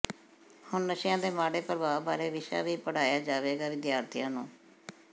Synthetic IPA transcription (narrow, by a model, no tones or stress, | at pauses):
hʊnnəʃɪjãːd̪eːmaːɽeːpəɾʋaːbaːɾeːʋɪʃa̰ːʋiːpəɽaːjaːd͡ʒaːʋeːɡaːʋɪd̪jaːɾt̪ʰɪjãːnũː